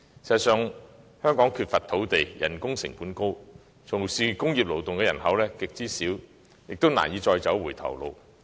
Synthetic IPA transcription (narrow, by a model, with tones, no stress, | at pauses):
sɛ˨˩sœː˨˧ŋ | hœː˥ŋkɔː˨˥ŋkʰyː˧t̚fɐ˨t̪ʰo˨˥wt̪e˨jjɐ̰˨˩nkʊ˥ŋsɪ̰˨˩ŋpuː˨˥nko˥w | t͡sʰʊ˨˩ŋsiː˨˩kʊ˥ŋjiː˨p̚lo˨˩wt̪ʊ˨ŋkɛː˧jɐ˨˩nɦɐ˨˥wlɛː˥kɪ˨k̚t͡siː˥siː˨˥w | jɪ˨k̚t̪o˥wna̰ː˨˩njiː˨˧t͡sɔː˧jt͡sɐ˨˥wwuː˨˩jt̪ʰɐ̰˨˩wlo̰˨˧w